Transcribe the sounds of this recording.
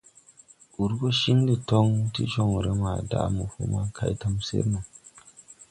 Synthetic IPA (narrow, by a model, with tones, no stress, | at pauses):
u˨ɾɡo˦ʃi˦ŋdi˨to˦ŋtḭ˦t͡ʃo˦˨ŋ˨ɾe˦ma˨da̰˦˨˦mu˨fṵ˦ma˦kʰa̰˦jta˦msḛ˦ɾma˨